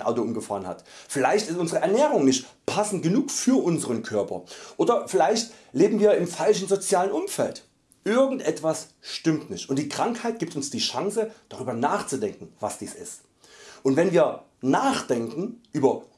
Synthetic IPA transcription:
nʔa̰ʊtoʔʊmɡəfaːʁənha̰tfɪlaɪçtɪstʔʊnzəʁəʔɛɐnɛːʁʊŋnɪçtpʰasn̩t̚ɡ̥ənuːkfyːɐʔʊnzəʁənkʰœɐpɐ̰ʔoːdɐfɪlaɪçtleːbm̩viːɐɪmfalʃn̩zot͡sjaːlənʔʊmfɛ̰lt | ʔɪɐɡŋ̩tʔɛtv̥asʃtɪmtnɪçtʔʊntd̥iːkʁ̥aŋkhaɪt̚ɡ̥iːp̚tʊnsd̥iːʃaŋsəd̥aʁyːbɐnaːχt͡sudɛŋkŋ̩vasd̥iːsɪ̰st | ʔʊntvɛnviːɐ | naːχd̥ɛŋkŋ̩ʔyːbɐ

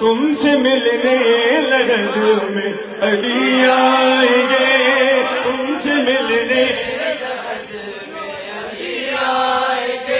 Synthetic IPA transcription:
t̪ʊmsemɪlinelɐɾɐd̪ome | ɐɽijaːjiɡe | t̪ʊmsemɪline

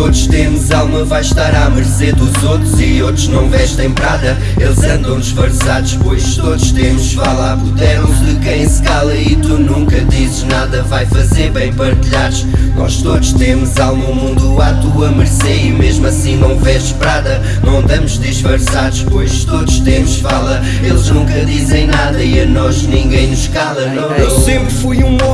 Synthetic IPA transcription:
t̪oðuʃt̪emuzalˠmɐvajʃt̪aɾamɨɾseðuzot̪ɾuziot̪ɾuʒnɐ̃w̃vɛʃt̪ɐ̃j̃pɾaðɐ | elˠzɐ̃nd̪ɐ̃w̃d̪ɨʃfɐɾsaðuʃpojʃt̪oðuʃt̪emuʃfalˠapuðɛɾuðɨkɐ̃j̃sɨ̥kalˠɐit̪unũŋkɐðisɨʒnaðɐvajfɐzeɾβɐ̃j̃pɐɾt̪ɨʎaðuʃnɔ̰ʃt̪oðuʃt̪emuzalˠmũmũnd̪uat̪uɐmɨɾsɛimeʒmuɐsĩnɐ̃w̃vɛzʃpɾaðɐ | mɐ̃nd̪ɐmuʒðiʃfɐɾsaðuʃpojʃt̪oðuʃt̪emuʃfalˠɐ | elˠʒnũŋkɐðizẽj̃naðɐiɐnɔʒnĩŋɡɐ̃j̃nuʃkalˠɐnɐ̃w̃ewsẽmpɾfujũ

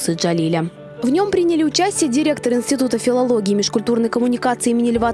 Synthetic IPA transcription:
sɨʐɐlʲilʲə | vnʲo̞mpɾʲinʲɪlʲɪʊt͡ɕæsʲtʲɪjədʲɪɾʲe̞k̚t̪əɾɨnsʲtʲɪt̪ut̪əfʲɪlˠɐlˠoɡʲɪːmʲɪʂkʊlʲt̪urnəjkəmʊnʲɪkat̪sɨɪimʲɪnʲɪlʲɪva

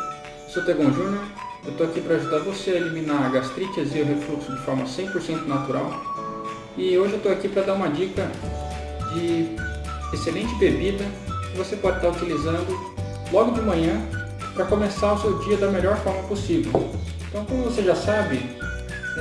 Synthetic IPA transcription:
sowt̪eɡõʒũnoɾewt̪oakipɾɐːʒud̪aɾvoseɐelimĩnaɾɡast̪ɾit͡ʃɐzɪʊɦefluksʊd͡ʒɪfɔɾmɐsẽj̃poɾsẽnt̪ʊnat̪uɾaw | ɪoʒɪewt̪oakipɾɐd̪aɾũmɐd͡ʒikɐ | d͡ʒɪ | eselẽnt͡ʃɪbebid̪ɐkɪvosepɔd͡ʒɪt̪aɾut͡ʃilizɐ̃nd̪ʊ | lɔɡʊd͡ʒɪmɐ̃ɲɐ̃ | pɾɐkõmesaɾʊsewd͡ʒiɐd̪ɐmeʎɔɾfɔɾmɐposivewẽt̪ɐ̃w̃kõmʊvoseʒasabɪ

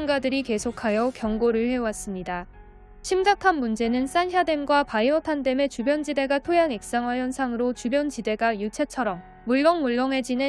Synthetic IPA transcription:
ŋɡadɯɾike̞sʰokʰajʌkjʌŋɡoɾɯɭɸe̞was͈ɯmɲida | ɕʰimɡakʰanmund͡ʑe̞nɯns͈anɕjade̞mɡwapaiʌtʰandeme̞t͡ɕubjʌnd͡ʑide̞ɡatʰojaŋek̚s͈aŋwajʌnsʰaŋɯɾot͡ɕubjʌnd͡ʑide̞ɡajut͡ɕʰe̞t͡ɕʰʌɾʌmːuɭːʌŋmuɭːʌŋe̞d͡ʑine

